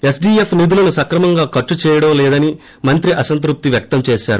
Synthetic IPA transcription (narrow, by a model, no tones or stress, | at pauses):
e̞sɖiːepʰnid̪ulɐnusɐkɾɐmɐŋɡaːkɐʈːut͡ʃɛːjɐɽɐmlɛːd̪ɐni | mɐnt̪ɾiʔɐsɐnt̪̬ɾup̚t̪iʋjɐk̚t̪ɐmt͡ʃɛːʃaːɾu